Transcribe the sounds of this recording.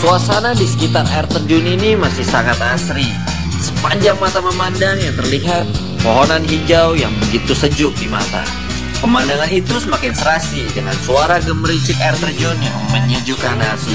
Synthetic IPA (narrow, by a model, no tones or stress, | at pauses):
kuasanadisə̥kit̪ara̰ɛrt̪ərd͡ʒʊninimasɪhsaŋat̪asɾi | səpaɲd͡ʒaŋmat̪aməmandaŋjaŋt̪ərliɦat̪̚ | moɦɔnanɦiɲd͡ʒawjaŋbəɡit̪usəd͡ʒʊk̚dima̰t̪a̰ | kəmandaŋanit̪usəmakɪnsəɾasidəŋa̰nsuaɾaɡəmɾit͡ʃɪkaɛrt̪ərd͡ʒɔnjaŋməɲəd͡ʒukanasi